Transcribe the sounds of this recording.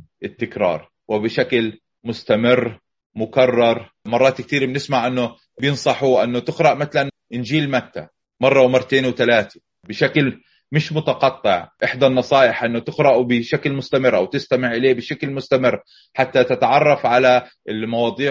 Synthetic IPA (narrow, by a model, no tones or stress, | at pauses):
ʔɪt̪ːɪkɾˤɑ̰ːɾˤ | wɪbɪʃakl | mʊst̪amɪrː | mʊkɑrˤːɑɾˤ | mɑrˤːɑːt̪k̚t̪iːɾbɪnɪsmaʕʔɪnːʊ | bjɪnsˤɑħuʔɪnːʊt̪ɪqɾɑʔmat̪alan | ʔɪnd͡ʒiːlmat̪ːa̰ | mɑrˤːɑwmɑrˤːt̪eːnwt̪alaːt̪i̥ | bɪʃakl | mɪʃmʊt̪ɑqɑt̪ˤːɪʕʔɪħd̪anːɑsˤɑːʔɪħʔɪnːʊt̪ɪqɾɑʔbɪʃaklmʊst̪amɪrːʔawt̪ɪst̪amɪʕʔɪleːbɪʃaklmʊst̪amɪrː | ħat̪ːat̪ɪt̪aʕɑrˤːɑfʕala | ɪlmɑwɑːd̪ˤiː